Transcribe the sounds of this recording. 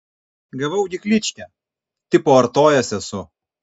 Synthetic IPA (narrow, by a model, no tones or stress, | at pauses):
ɡɐʋɐʊɡʲɪklʲɪt͡ʃʲkʲɛ | t̪ʲɪpoːɐɾt̪oːjɛsʲɛsʊ